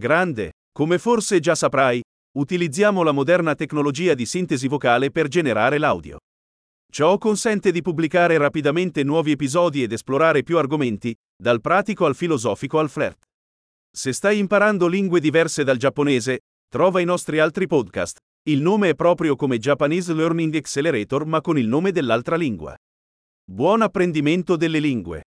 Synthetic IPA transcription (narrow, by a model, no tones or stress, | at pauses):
ɡɾand̪ḛ | komeforsed͡ʒasapɾaj | ut̪ilid̪zːjaːmolamod̪ɛrnat̪ekːnolod͡ʒiːad̪isint̪ezivokaːleperd͡ʒeneɾaːɾela̰wd̪jo̰ | t͡ʃɔkːonsɛnt̪ed̪ipubːlikaːɾeɾapid̪ament̪enwɔːviepizɔːd̪ied̪esploɾaːɾepjuarɡoment̪i | d̪alpɾaːt̪ikoalfilozɔːfikoalflɛ̰rt̪ | sest̪ajimpaɾand̪oliŋɡwed̪ivɛrsed̪ald͡ʒapːoneːze | t̪ɾɔːvainɔst̪ɾialt̪ɾipɔd̪ka̰st̪ | ilnoːmeɛpːɾɔːpɾjokomed͡ʒapːaniːzlørniŋɡɛkseleɾɛːt̪ormakːonilnoːmed̪elːalt̪ɾaliŋɡwa̰ | bwɔnapːɾend̪iment̪od̪elːeliŋɡwḛ